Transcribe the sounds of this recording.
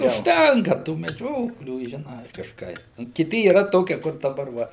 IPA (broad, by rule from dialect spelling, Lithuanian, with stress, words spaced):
ʊʃʲˈtʲɛŋkɐ tuː mʲɛˈd͡ʒʲoːklʲuː ʒʲɪˈnɐɪ kɐʃˈkɐɪ ˈnʊ kʲɪˈtʲɪ iːˈrɐ ˈtoːkʲiɛ kʊr dɐˈbɐr ˈʋɐ